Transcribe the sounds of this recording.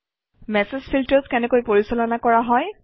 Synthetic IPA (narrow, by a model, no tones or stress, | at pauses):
mɛsezpʰiltɔzkɛnɛkojpoɹisɔlɔnakɔɹaɦɔj